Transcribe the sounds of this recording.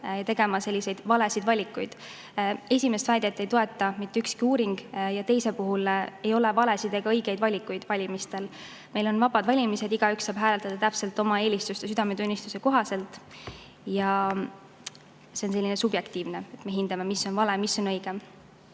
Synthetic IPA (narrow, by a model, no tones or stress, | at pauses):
jɑt̪e̞ɡ̥e̞mɑse̞lʲːise̞jd̪̥vɑle̞sid̪vɑlʲikːˑujd̪̥ | e̞sʲime̞st̪væld̪̥ʲet̪ːˑe̞jt̪o̞e̞t̪ːˑɑmit̪ːeykskiuːɾiŋɡ̥jɑt̪e̞jse̞puɦule̞jo̞le̞vɑle̞sid̪eɡ̥ɑɤjɡ̥e̞jd̪vɑlʲikːˑujd̪̥vɑlʲimist̪e̞l | me̞jlo̞nvɑb̥ɑd̪̥vɑlʲimise̞d̪̥iɡ̥ɑyksːɑːb̥ɦæːlelt̪ɑd̪ɑt̪æpse̞lt̪ːˑo̞mɑe̞ːlʲist̪ust̪es̬yd̪ɑme̞t̪unʲːist̪use̞ko̞ɦɑse̞lt̪ːˑ | jɑ | se̞onse̞lʲːinesub̥je̞kt̪iːvnee̞t̪me̞ɦind̪̥ɑme̞misːo̞nvɑle̞misːo̞nɤ̞jɡ̥e